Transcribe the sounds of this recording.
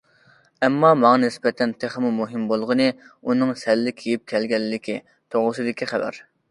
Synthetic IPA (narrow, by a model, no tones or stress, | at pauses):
ɛmːɑmɑŋɑnɪspɛt̪ʰɛnt̪ʰeχmumuɦɨmbolˠʁənɨunɨŋsɛlːɪkʲʰejip̚kʲʰɛlɡʲɛlːɪkʲi | t̪ʰoʁʊsɨd̪ɪkʲiχævɛ̰ɾ